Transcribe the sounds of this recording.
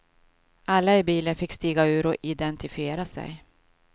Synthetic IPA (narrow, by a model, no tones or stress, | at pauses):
alːaɪbiːlənfɪkːst̪iːɡaʉ̟ːɾɔʔɪd̪ɛnt̪ɪfɪeːɾasɛ̰j